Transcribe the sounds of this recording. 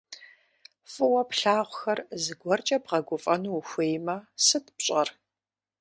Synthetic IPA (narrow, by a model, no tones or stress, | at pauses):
fʼɨwɐpɬaːʁʷʊxɐrzɨɡʷɔrt͡ʃʼɐbʁɐɡʷʊfʼɐnuwxʷeːjmɐsɨtʰpɕʼɐr